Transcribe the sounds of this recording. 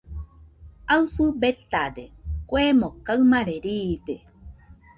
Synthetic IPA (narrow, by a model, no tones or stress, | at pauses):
awfɨbet̪ad̪ekʷemõkawmãɾeɾiːd̪e